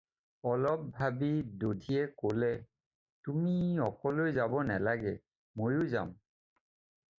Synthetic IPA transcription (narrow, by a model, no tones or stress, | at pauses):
ɔlɔp̚bʱabidodʱiɛkolɛ | tumiɔkɔlojzabɔnalaɡɛ | mojʊza̰m